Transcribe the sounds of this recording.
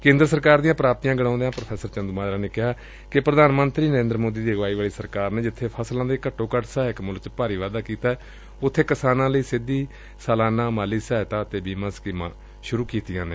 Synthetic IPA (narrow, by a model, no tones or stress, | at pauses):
kẽːnd̪ɾəsəɾkaːɾd̪ijãːpɾaːp̚t̪ijãːɡəɽãːnd̪ejãːpɾəpʰɛːsəɾt͡ʃənd̪uːmaːɾaːneːkɪɦaː | kɪpɾəd̪aːnmənt̪ɾiːnəɾẽːnd̪ɾəmoːd̪iːd̪iːɡʋaːiːʋaːɭiːsəɾkaːɾneːd͡ʒɪt̪ʰːeːpʰəslãːd̪eːkəʈːõːkəʈsaːɪkmʊlkt͡ʃpaːɾiːʋaːd̪aːkiːt̪aːɛː | ʊt̪ʰːeːkɪsaːnãːləiːsɪd̪iː | saːlaːnãːmaːliːsɛːt̪aːət̪eːbiːmãːskiːmã̰ː | ʃʊɾuːkiːt̪ɪjãːneː